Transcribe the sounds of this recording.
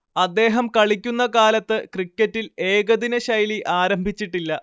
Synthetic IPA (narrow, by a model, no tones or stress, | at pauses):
ɐd̪ːe̞ːɦɐmkɐɭikʲːunːɐkaːlɐt̪ːɨkrikʲːɐtːile̞ːɡɐðinɐɕɐjliʔaːɾɐmbʱit͡ɕːiʈːilːɐ